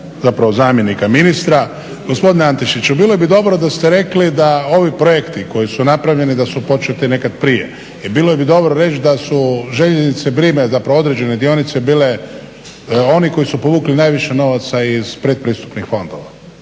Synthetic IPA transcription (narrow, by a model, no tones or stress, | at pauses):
zapɾaʋozaːmje̞nikaminist̪ɾa | ɡo̞spo̞d̪ineant̪iʃit͡ɕubiːlˠojebid̪o̞bɾod̪ast̪e̞ɾe̞klid̪ao̞ʋipɾojekt̪iko̞jisunapɾaʋʎe̞nid̪asupo̞t͡ʃet̪ine̞kad̪pɾijḛ | ibilojebid̪o̞bɾoɾe̞t͡ʃd̪asuʒeʎeznit̪sebɾiːmezapɾao̞d̪ɾed͡ʒe̞ned̪ijonit̪se̞biːle̞ | o̞niko̞jisupoʋuːklinaːjʋiʃeno̞ʋat̪saiz̥pɾed̪̚pɾiːst̪u̥pnixfo̞nd̪o̞̰ʋa